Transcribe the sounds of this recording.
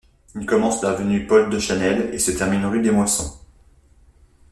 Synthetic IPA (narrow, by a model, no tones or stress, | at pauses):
ilkɔmɑ̃slavənypɔld̪əʃanɛlḛsət̪ɛʁminʁyd̪emwasɔ̰̃